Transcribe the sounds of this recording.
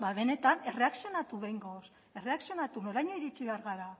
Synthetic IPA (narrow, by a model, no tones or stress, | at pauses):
baβe̞ne̞t̪ane̞re̞aksio̞nat̪uβejŋɡos | e̞re̞aksio̞nat̪uno̞ɾajɲo̞iɾit͡ʃiβe̞aɾɣaɾa